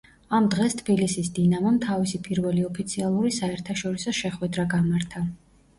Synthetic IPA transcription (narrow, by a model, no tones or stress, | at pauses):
amd̪ʁɛst̪ʰbilisisd̪inamɔmt̪ʰavisipʼiɾvɛliɔpʰit̪sʰialˠuɾisaɛɾt̪ʰaʃɔɾisɔʃɛχwɛd̪ɾaɡamaɾt̪ʰa